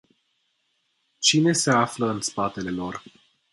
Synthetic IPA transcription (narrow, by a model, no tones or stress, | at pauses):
t͡ʃine̞se̞afləɨnspat̪e̞le̞lo̞r